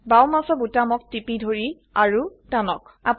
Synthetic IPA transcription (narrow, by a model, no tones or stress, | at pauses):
bawmasɔbutamɔk̚tipidʱoɹi | aɹutanɔkap